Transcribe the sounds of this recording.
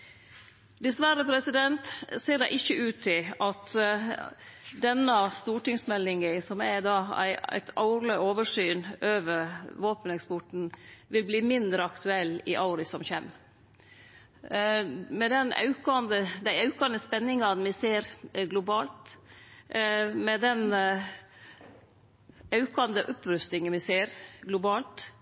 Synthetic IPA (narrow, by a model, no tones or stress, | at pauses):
d̪ɛsʋæɾəpʰɾɛsɪd̪ɛnt̪seːɖɛɪʔɪçːəʔʉːt̪ʰːɪlɑt̪ | d̪ɛnːɑst̪uːʈɪŋsmɛlːɪŋəsɔmæd̪ɑːæ̰ɪæ̰ɪt̪ʰɑ̰ʊɾləoːʋəʂyːnøːʋəɾʋoːpənɛkspɔʈn̩ʋɪlbliːmɪnd̪ɾəɑkt̪ʉɛlːɪ̰ʔɑʊɾɪsɔmçɛm | mɛd̪ɛnɑ̰ʉkɑnd̪əd̪æɪɑʉkɑnəspɛnːɪŋɑnmɪseːɾɡlʊbɑːlt̪ | mɛd̪ɛn | ɑʉkɑnd̪əʔɔpɾʉst̪ɪŋənmɪseːɾɡlʊbɑːlt̪